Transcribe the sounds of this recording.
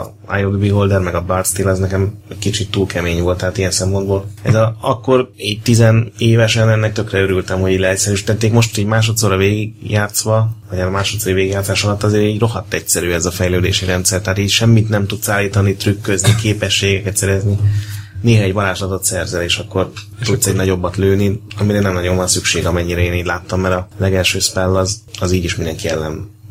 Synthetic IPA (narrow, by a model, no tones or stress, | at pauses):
a̰joɡbiɦo̞ld̪ɛrmɛɡɒbɒrt̪st̪eːlɒznɛkɛmɛckit͡ʃit̪ːuːlkʰɛmeːɲvo̞lt̪ːaɦat̪ijɛnsɛmpo̞nd̪boːlɛzɒɒkːo̞riːɟ̚t̪izɛneːvɛʃɛnɛnːɛk̚t̪ø̞krɛøɾylt̪ɛmho̞ɟiːɟlɛɛcsɛɾyʃi̥t̪ɛt̪ːeːkmo̞ʃt̪iɟmaːʃo̞t̪soːɾɒveːɡiɡjaːt̪sʋɒvɒɟaːɾmaːʃo̞t̪soːɾiveːɡjaːt̪saːʃɒlɒt̪ːɒzeːɾiːɟro̞ɦɒt̪ːɛcsɛɾyːɛzɒfɛjløːd̪eːʃiɾɛnt̪sɛrt̪ɛaːt̪iːɟʃɛmːit̪nɛmt̪ut̪saːlːiːt̪ɒnit̪rykːøznikeːpɛʃːeːɡɛkɛt̪sɛɾɛznineːɦɒɛɟbɒlaːʃlɒt̪o̞t̪sɛrzɛleːʃɒkːo̞r | t̪ut̪sɛɟnɒɟo̞bːɒt̪løːniɒmiɾɛnɛmnɒɟo̞nvɒnsykʃeːɡɒmɛɲːiɾɛeːniːɟlaːt̪ːɒmːɛɾɒlɛɡɛlʃøːspɛlːɒzɒziːɟiʃmind̪ɛŋkiɛlːɛn